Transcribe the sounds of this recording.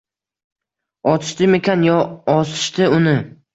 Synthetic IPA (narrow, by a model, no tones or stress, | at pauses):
ɒt̪ʰɪ̥ʃt̪ɪmekʲanjɒɒsɪ̥ʃt̪ɪʊnɪ